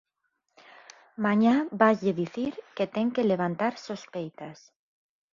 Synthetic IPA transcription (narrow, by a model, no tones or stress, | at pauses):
mãɲabajʎeðiθiɾket̪ɛŋkeleβant̪aɾsospejt̪as